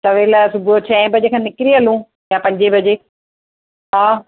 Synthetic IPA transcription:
t̪ɐʋeːlasʊbʱot͡ɕʰɛ̃ːbʱɐd͡ʑekʰãːnɪkɾiɐlũː | japɐ̃ɲd͡ʑebʱɐd͡ʑeː | ɦaː

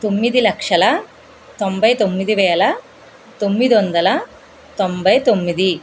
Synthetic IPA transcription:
t̪omːid̪ilɐkʂɐlɐ | t̪ombʱɐjt̪omːid̪iʋɛːlɐ | t̪omːid̪iond̪ɐlɐ | t̪ombʱɐjt̪omːid̪i

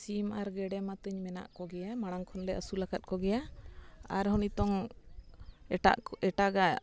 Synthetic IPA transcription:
simaɾɡɛɖɛmat̪əɲmɛna̰ʔkɔɡɛjamaɽ̃aŋkʰɔnlɛəsulakat̪̚ˀkɔɡɛja | aɾhɔnit̪ɔŋ | a̰ʔɛʈaɡa

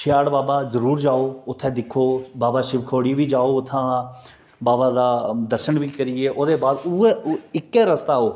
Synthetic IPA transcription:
t͡ʃʰɪjaːɽbaːbaːzəɾuːɾd͡ʒaːoːʊt̪ʰːɛ̃ːd̪ɪkʰːoːbaːbaːʃɪbkʰoːɽiːʋiːd͡ʒaːoːʊt̪ʰːãː | baːbaːd̪aːd̪əɾʃənʋiːkəɾiːeːʔoːd̪eːbaːd̪ʊeɪkːeːɾəst̪aːɦoː

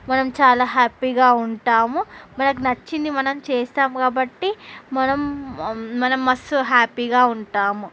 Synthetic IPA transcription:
mɐnɐmt͡ʃaːlaːɦaːpiːɡaːuɳʈaːmumɐnɐk̬unɐt͡ʃːind̪imɐnɐmt͡ʃeːsaːmkaːbɐʈːimɐnɐm | mɐnɐmːɐsɦaːpiːɡaːuɳʈaːmu

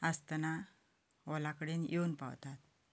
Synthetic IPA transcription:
əst̪əna | ʋɔlakəɽenjewnpa̰wt̪at̪

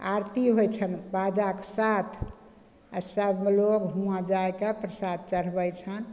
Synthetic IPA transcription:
aɾt̪iɦojt͡ʃʰənbad͡ʒaksat̪ʰ | səbmelokɦũãd͡ʒaekapɾəsad̪̚t͡ʃəɽ̤bəjt͡ʃʰən

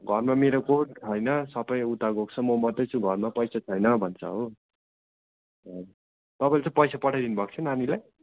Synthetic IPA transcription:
ɡʱʌrmameɾokoʈɦʌjnʌsʌpʌjut̪aɡok̚t͡sʰʌmomʌt̪ːʌjt͡sʰũɡʱʌrmapʌjsat͡sʰʌjnʌbʱʌnt͡sʰʌ̰ɦo | ʌ | t̪ʌpajlet͡sʌ̃pʌjsapʌʈʰajd̪inubʱʌk̚t͡sʰʌnanilaj

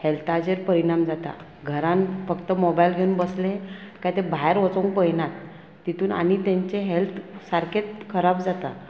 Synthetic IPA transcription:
helt̪ad͡ʑeɾpəɾiɽamd͡zat̪a̰ | ɡʱəɾãnfəkt̪əmobajilɡʱeunbəslekajt̪ebʱaɦeɾʋɔt͡sõŋkpəjnat̪ː | it̪ʰuːna̰ɽ̃it̪ẽɲt͡ɕeɦelt̪ʰsaɾkʰet̪̚kʰəɾabd͡zat̪a̰

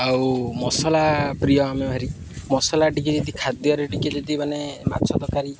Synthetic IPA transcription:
awmɔsɔlapɾijɔamebʱaɾi | mɔsɔlaʈikid͡ʒɔd̪ikʰad̪jɔɾeʈikid͡ʒɔd̪imanema̰t͡ʃʰɔd̪ɔkaɾi

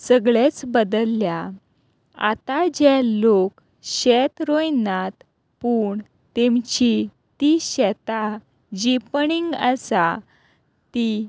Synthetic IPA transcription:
səɡɭet͡sbəd̪əlːja | a̰t̪ad͡ʑɛlok | ɕɛt̪ɾojnat̪ | puːɳ | t̪emt͡ɕi | t̪iɕɛt̪a | d͡ʑipɳiŋɡəsa | t̪i

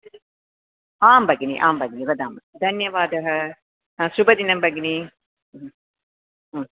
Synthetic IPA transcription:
aːmbɐɡinḭːʔaːmbɐɡiniːʋɐd̪aːmɐd̪ɐnjɐʋaːd̪ɐɦɐ | subɐd̪inɐmbɐɡiniː

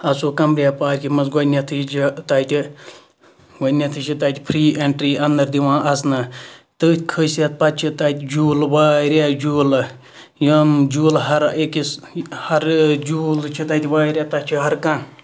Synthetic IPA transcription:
ɐsoːkɐmpɾʲjaːpaːɾʲkʲimɐsɡɐnʲɐt̪ʰɨt͡ʃit̪aːt̪ʲi | ɡɐnʲɐt̪ʰɨʃit̪aːt̪ʲipʰɾiːʔeɳʈɾiːɐnd̪ɐɾd̪iʋãːʔɐsnɨt̪ɨkʰəsɐt̪̚pɐt̪̚t͡ʃʰit̪at̪ʲd͡ʒuːlʋaːiɾʲaːd͡ʒuːlɨ | jɐmd͡ʒuːlɦɐɾekishɐɾd͡ʒuːlt͡ʃʰit̪aːt̪ʲiʋaːɾʲaːt̪ɐt͡ʃʰiɦɐɾkan

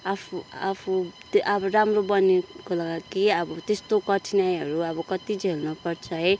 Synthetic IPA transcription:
apʰua̰pʰut̪ʔʌbʌɾamrobʌnikolʌɡakiʌbʌt̪est̪okʌʈʰinajɦʌɾuʌbʌkʌt̪id͡zʱelnupʌrt͡sʰʌɦʌj

